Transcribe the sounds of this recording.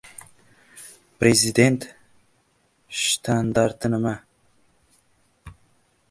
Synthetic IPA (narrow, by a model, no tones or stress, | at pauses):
pɾezid̪ent̪ | ʃt̪ʰand̪aɾt̪ɨnɨma